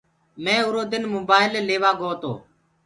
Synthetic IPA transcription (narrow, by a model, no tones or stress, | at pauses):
mẽːʊɾoːd̪ɪnmoːbaːɪleleːʋaːɡʱoːt̪o̰ː